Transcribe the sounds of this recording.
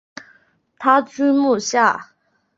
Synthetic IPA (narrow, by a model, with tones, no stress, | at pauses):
t̪ʰa˥t͡sʰy˥mu˥˨ɕa˥˨